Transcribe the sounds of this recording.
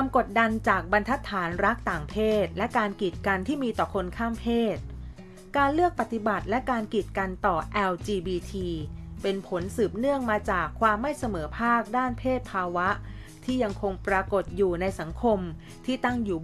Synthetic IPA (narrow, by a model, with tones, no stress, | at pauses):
ka˧mko˨˩t̪̚da˧nt͡ɕaː˨˩k̚ba˧nt̪ʰa˦˥t̪ʰːaː˩˦nɾa˦˥k̚t̪aː˨˩ŋpʰeː˥˩t̪̚lɛ˦˥kaː˧nki˨˩t̪̚ka˧nt̪ʰiː˥˩miː˧t̪ɔː˨˩kʰo˧nkʰaː˥˩mpʰeː˥˩t̪̚ | kaː˧nlɯ˥˩ək̚pa˨˩t̪ːi˨˩ba˨˩t̪̚lɛ˦˥kaː˧nki˨˩t̪̚ka˧nt̪ɔː˨˩ʔɛ˧wt͡ɕiː˧biː˧t̪ʰiː˧pe˧npʰo˩˦nsɯː˨˩p̚nɯ˥˩əŋmaː˧t͡ɕaː˨˩kʰːwaː˧mːa˥˩jsa˧mɤː˩˦pʰaː˥˩k̚daː˥˩npʰeː˥˩t̪̚pʰaː˧wa˦˥ʔ | t̪ʰiː˥˩ja˧ŋkʰo˧ŋpɾa˧ko˨˩t̪̚juː˨˩na˧jsa˩˦ŋkʰo˧m | t̪ʰiː˥˩t̪a˥˩ŋjuː˨˩